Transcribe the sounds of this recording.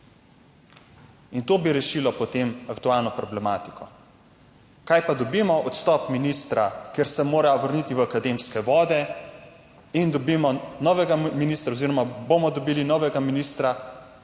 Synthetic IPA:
int̪oːbiɾɛʃiːlɔpɔt̪emakt̪ualnɔpɾɔblɛmaːt̪i̥kɔ | kajpad̪ɔbiːmɔʔɔt̪st̪ɔpminist̪ɾakeɾsɛmoːɾajɔʋəɾniːt̪iʋəakad̪emskɛʋɔːd̪ɛ | ind̪ɔbiːmɔnɔʋɛɡaminiːst̪ɾaoziːɾɔmabomɔd̪ɔbiːlinɔːʋɛɡaminiːst̪ɾa

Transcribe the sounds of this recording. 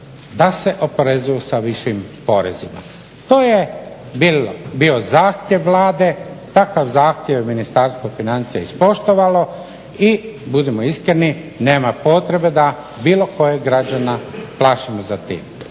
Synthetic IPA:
d̪ase̞ʔo̞poɾe̞zujusaʋiʃimpo̞ɾḛzima̰ | t̪oːje | bilbiozaːxt̪ʲjeʋːlaːd̪e̞t̪akaʋzaːxt̪jeʋminist̪aɾst̪ʋofinant̪sijeispo̞ʃt̪oʋalo̞ | ibud̪emoiskɾeni | ne̞ːmapo̞t̪ɾe̞be̞d̪a | biːlo̞ko̞jeɡɾad͡ʑanaplˠaːʃimozat̪ḭːm

